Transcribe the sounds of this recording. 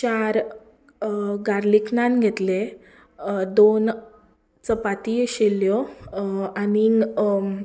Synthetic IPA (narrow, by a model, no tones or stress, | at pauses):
t͡ɕaɾ | ɡaɾliknanɡʱet̪le | d̪on | t͡səpat̪ijɕeljɔ | ani